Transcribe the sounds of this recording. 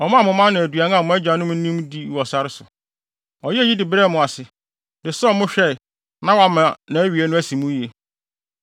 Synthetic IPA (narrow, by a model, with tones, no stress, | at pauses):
ɔ˨mã˦˨mʊ̃˨mã˦n˦nã˨æ˨dɥa˨˦n˦a˦˨mʊ̃˦ɛ˦d͡ʑᶣa˨nʊ̃˦m˦n̩˦nĩ˦mdi˦˨wɔ˨sa˦ɾɪ˦sʊ˨ | ɔ˨jɛ˦e˦ji˦dɪ˨bɾɛ˦˨mʊ̃˨a˨sɪ˨ | dɪ˨sɔ˦mʊ̃˦ɕᶣɛ˦ɪ˨ | nã˦wa˦mã˨nã˨æ˦ɥi˨e˦nʊ̃˦æ˦sĩ˨mũ˦i˦e˨